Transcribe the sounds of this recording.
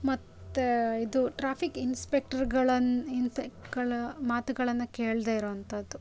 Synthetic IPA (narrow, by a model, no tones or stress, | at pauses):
mɐt̪ːeid̪uʈɾaːpʰikinspek̚ʈɐɾɡɐɭɐninpekʈɡɐɭɐmaːt̪uɡɐɭɐnːɐke̞ːɭd̪eiɾoːʋɐnt̪ɐd̪ːu